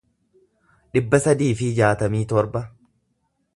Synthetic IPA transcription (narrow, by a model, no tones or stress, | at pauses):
ᶑɪbːɐsɐd̪iːfɪd͡ʒaːt̪ɐmiːt̪ɔɾbɐ